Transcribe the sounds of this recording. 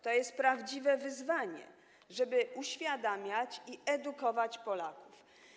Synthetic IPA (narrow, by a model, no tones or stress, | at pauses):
t̪ɔjɛst̪̚pɾavd͡ʑivɛvɘzvaɲɛ̰ | ʐɛbɘʔuɕfʲjad̪amʲjat͡ɕiɛd̪ukɔvat͡ɕpɔlakuf